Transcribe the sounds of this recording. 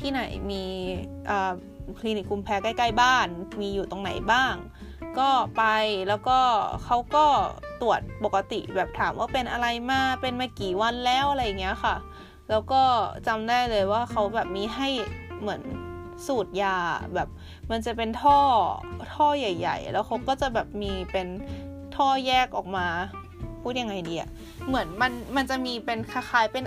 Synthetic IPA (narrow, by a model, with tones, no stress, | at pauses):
t̪ʰiː˥˩na˩˦jmiː˧ʔɤː˨˩ | kʰliː˧ni˨˩k̚ːu˧mpʰɛː˧kaː˥˩jkaː˥˩jbaː˥˩nmiː˧juː˨˩t̪o˧ŋna̰˩˦jbaː˥˩ŋ | kɔː˥˩pa˧jlɛː˦˥wkɔː˥˩kʰa˦˥wkɔː˥˩t̪u˨˩ət̪̚po˨˩kːa˧t̪ḭ˨˩bɛː˨˩p̚t̪ʰaː˩˦mwaː˥˩pe˧nʔa˧ɾa˧jmaː˧˩pe˧nmaː˧˥˩kiː˨˩wa˧nlɛː˦˥˩wʔa˧ɾa˧jːa˨˩ŋːi˦˥ɐ˧xʰa˥˩ | lɛː˦˥wkɔː˥˩t͡ɕa˧mdaː˥˩jlɤː˧jwaː˥˩xʰa˦˥wbɛː˨˩p̚miː˧ɦa˥˩jmɯ˩˦ən | suː˨˩t̪̚ja̰ː˧˩bɛː˨˩p̚ | ma˧nt͡ɕa˨˩pe˧nt̪ʰɔː˥˩t̪ʰɔː˥˩ja˨˩jːa̰˨˩jlɛː˦˥wxʰa˦˥wkɔː˥˩t͡ɕa˨˩bɛː˨˩p̚miː˧pe˧n | t̪ʰɔː˥˩jɛː˥˩k̚ʔɔː˨˩k̚maː˧ | pʰuː˥˩t̪̚ja˧ŋa˧jdiː˧ʔa̰˨˩ʔ | mɯ˩˦ənma˧nma˧nt͡ɕa˨˩ʔmiː˧pe˧nkʰa˧xaː˨˦jpe˧n